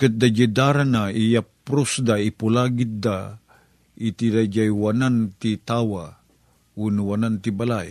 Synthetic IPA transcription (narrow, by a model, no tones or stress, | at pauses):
kɨt̪̚d̪ad͡ʒid̪aɾanaijapɾosd̪aipulaɡit̪̚d̪a | it̪iɾad͡ʒajwanant̪it̪awa | unuwanant̪ibalaj